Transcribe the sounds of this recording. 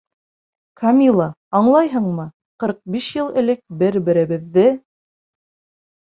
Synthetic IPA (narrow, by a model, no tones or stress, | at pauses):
kʰɐmʲilˠɑ | ɑɴlˠɑjɦɤɴmɤ | qɤ̆ɾq̚biʃjɤlˠɘ̆lɘk̚bɘɾbɘ̆ɾɘ̆βɘ̆ðːɘ